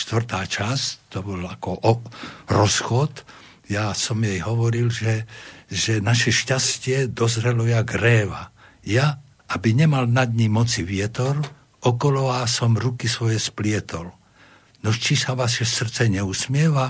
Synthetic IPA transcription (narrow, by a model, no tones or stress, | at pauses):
ʃt̪ʋr̩t̪aːt͡ʃasct̪ɔbɔlakɔʔɔɾɔsxɔt̪ | jasɔmjɛjɦɔʋɔɾilʒɛʒɛnaʃɛʃcascɪɛd̪ɔzɾɛlɔjaɡɾɛːʋa̰ | ja | ʔabiɲɛmalnad̪ɲimɔt͡siʋɪɛt̪ɔɾ | ɔkɔlɔʋaːsɔmɾukisʋɔjɛsplɪɛt̪ɔl | nɔʃt͡ʃisaʋaʃɛsr̩t͡sɛɲɛusmɪɛʋa